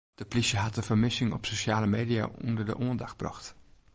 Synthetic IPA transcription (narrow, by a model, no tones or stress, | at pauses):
d̥əplisəɦɑt̚dəvəɹmɪsɪŋɔ̰psoʃaːləmeːdia̰ɔndəɹdə̰ʔoəndɑχ̚brɑ̰χt